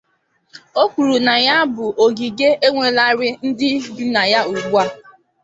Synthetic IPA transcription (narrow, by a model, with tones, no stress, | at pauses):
o˦kʷu˨ɾu˨na˨ja˦bʊ˨ʔo˨ɡi˨ɡe˦ʔe˦ŋʷe˨la˦ɾɪ˦n̩˦dɪ˦bu˦na˨ja˦u˨ɡ͡bu˦a˦˨